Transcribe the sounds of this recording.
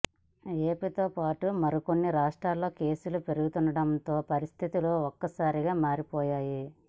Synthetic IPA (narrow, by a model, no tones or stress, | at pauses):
e̞ːpit̪oːpaːʈumɐɾuko̞nːiɾaːʂʈɾaːlːo̞ːke̞ːsulupe̞ɾuɡut̪unɖɐɽɐnt̪o̞ːpɐɾist̪ʰit̪iloːɔkːɐsaːɾiɡaːmaːɾipɔːjaːji